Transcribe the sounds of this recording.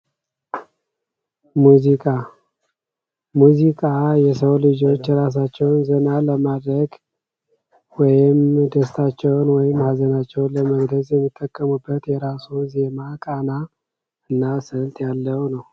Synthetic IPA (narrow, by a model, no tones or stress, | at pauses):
muzikʼa | muzikʼajɛsəwlɨd͡ʒo̞t͡ʃːɾas̬at͡ʃːɛwnzənaləmad̪ɾəɡ | wɔjɪmd̪əst̪ʰat͡ʃːɛwnwɔjɪmːhazənat͡ʃːɛwnləməɡləzʼjɛmːit̪ʼːəkʼːəmubːət̪jɛɾasuze̞makʼana | ɨnːasənt̪ʼjalːəwnəw